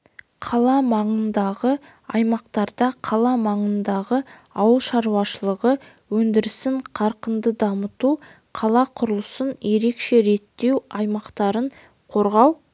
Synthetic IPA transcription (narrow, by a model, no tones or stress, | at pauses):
qʰɑlˠɑmɑɴənd̪ɑʁə | ɑjmɑqt̪ɑɾd̪ɑqʰɑlˠɑmɑɴənd̪ɑʁəɑwəlˠʃɑɾuwɑʃəlˠəʁəwɵnd̪ɪɾɪsɪɴqʰɑɾqənd̪əd̪ɑmət̪u | qʰɑlˠɑqʰʊɾəlˠəsənje̞ɾe̞kʃe̞ɾe̞t̪ːe̞wɑjmɑqt̪ɑɾəɴ | qʰo̞ɾʁɑw